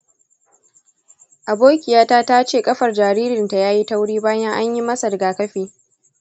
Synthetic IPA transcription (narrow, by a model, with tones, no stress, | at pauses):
ʔa˨boː˦kʲɪ˨jaː˦taː˦ta˦t͡ʃeː˦˨kʼɐ˦ɸɐ˨rd͡ʒaː˨ɾiː˦ɾɪ˨nta˨jaː˦ji˦ta˦wɽiː˦baː˦jɐ˦ŋʔa˦ɲji˦mɐ˦sɐ˨dɡaː˨kɐ˦ɸiː˦